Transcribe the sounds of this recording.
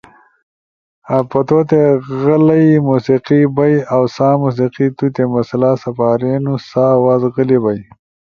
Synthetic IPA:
apɐt̪ot̪eɣəlɐjimusiqibɐjawsaːmus̬iqit̪ut̪emɐslaːsɐpaːɾenusaːwazɣəlibaj

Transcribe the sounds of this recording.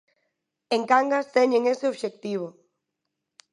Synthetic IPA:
eŋkaŋɡast̪eɲeŋeseoβʃek̚t̪iβ̞o

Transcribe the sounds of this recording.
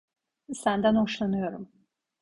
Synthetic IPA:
sand̪anoʃlˠanɯjoɾum

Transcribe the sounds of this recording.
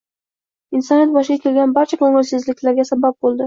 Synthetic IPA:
ɪnsɒnet̪̚bɒʃɪɡʲakʲʰe̞lɡʲanbaɾt͡ʃʰakʰɵŋɪlsɪzlɪkʲlaɾɡʲasabap̚bolˠd̪ɪ

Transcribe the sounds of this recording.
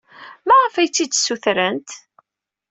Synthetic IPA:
mæʁəfæjt͡sːid̪sːuθɾənt̪

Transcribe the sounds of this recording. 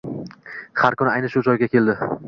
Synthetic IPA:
haɾkʊnɪajnɪʃʊd͡ʒɒjɡʲakʲʰe̞ld̪ɪ

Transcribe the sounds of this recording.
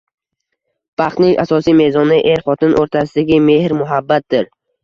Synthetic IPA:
b̥ɑχt̪nɪŋa̰sɒsijme̞zɒnɪʔe̞ɾχɒt̪ɪnʔoɾt̪ʰasɪd̪aɡʲɪme̞hɾmʊɦabːat̪̚d̪ɪɾ

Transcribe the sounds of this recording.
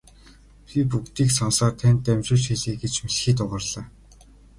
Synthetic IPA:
pʲip̬ukt̪iːksɔnsaːrt̪ʰænt̪ːæmʲt͡ɕʊ̆ːɮt͡ɕxeɮeːɡet͡ɕmiɮxiːt̪ʊʁə̆rɮ̥aː

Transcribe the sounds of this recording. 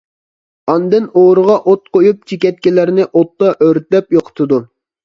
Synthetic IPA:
ɑnd̪ɨnoːɾəʁɑʔot̪̚qʰojup̚t͡ʃʰikʲɛt̪̚kʲilæɾnɪʔot̪ːɑʔøɾt̪lɛpjoqʰə̥t̪ʰɨd̪u

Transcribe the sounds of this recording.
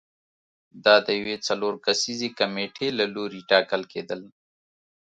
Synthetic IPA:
d̪ɑːd̪əjwet͡sɐloːɾkɐsizikɐmeʈʰelaluɾiʈɑːkəlkeːd̪əl

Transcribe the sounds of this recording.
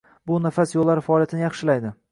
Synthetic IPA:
bʊnafasjolːaɾɪfaɒːlˠjat̪ʰɪnɪjɑχʃɪlajd̪ɪ

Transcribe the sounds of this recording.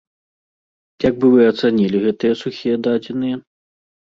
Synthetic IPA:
jaɡ̚bɨvɨɐt̪sanʲilʲiɣɛt̪ɨjɛsuxʲijɛd̪ad͡zʲinɨjɐ

